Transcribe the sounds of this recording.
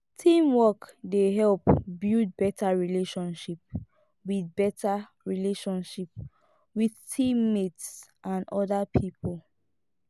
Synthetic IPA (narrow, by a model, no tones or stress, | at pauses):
tʰĩmwɔkdeɦɛlpbild̚bɛtʰaɹileʃɔ̃nʃip̚ | wiðbɛtʰa | ɹileʃɔ̃nʃip̚ | wiðtʰĩmːitsʔãnɔdapʰipʰol